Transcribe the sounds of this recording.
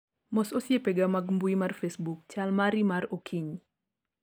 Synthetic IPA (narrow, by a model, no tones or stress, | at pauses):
mɔsosjepeɡamaɡmbuimarfesbuk̚t͡ʃalmaɾimaɾokʰiɲ